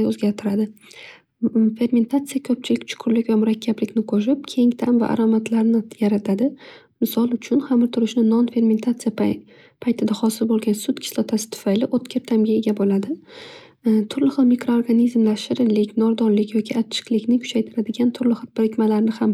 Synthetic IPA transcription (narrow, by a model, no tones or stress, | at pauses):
ɵzɡʲaɾt̪ʰɪɾad̪ɪ | fe̞ɾme̞nt̪ʰat̪sijakʰɵp̚t͡ʃʰɪlɪkʲt͡ʃʰʊ̥qʰʊɾlɪkʲvamʊɾakʲʰːablɪkʲnɪqʰoʃ̬ɪp̚kʲʰe̞ŋt̪ʰamva̰ʔa̰ɾomat̪ʰlaɾnɪjaɾat̪ʰad̪ɪ | mɪsɒlˠʊt͡ʃʰʊnhamɪɾt̪ʰʊɾɪʃnɪnɒnfe̞ɾme̞nt̪ʰat̪sɨja | pʰajt̪ʰɪd̪aχɒsɪlbolˠɡʲansʊt̪kʲʰɪ̥slˠɒt̪ʰasɪ̥t̪ʰʊ̥fajlɪʔot̪kʲʰeɾt̪ʰamɡʲaeɡʲabolad̪ɪ | t̪ʰʊɾlɪχɨlˠmikɾo̞oɾɡanizmlaʃɪɾɪlɪkʲnɒɾd̪ɒnlɪkʲjɒkʲʰɪat͡ʃʰːɪ̥qlɪkʲnɪkʰʊ̥t͡ʃʰajt̪ʰɪɾad̪ɪɡʲant̪ʰʊɾlɪχɨlˠb̥ɪɾɪkʲmalaɾnɪham